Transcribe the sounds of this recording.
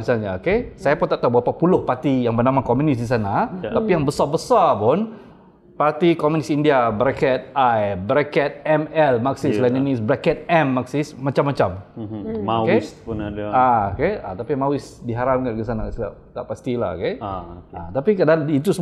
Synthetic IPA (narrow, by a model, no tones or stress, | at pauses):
isalɲaokesajapʊnt̪aʔt̪aubɾapapulʊhpart̪ijaŋbənamakomjunɪsdis̬anat̪apijaŋbəsabəsapʊn | part̪ikomjũnɪsindiabəɾakɛt̪̚ajbɾakɛt̪̚ɛmɛlmaksɪslananisbɾakɛt̪̚ɛmːaksɪsmat͡ʃamːat͡ʃammawkespunadaokea̰t̪apimawɪsdiɦaɾap̚kankəs̬anaksa̰t̪aʔpast̪ila̰ho̰keat̪apikadait̪usə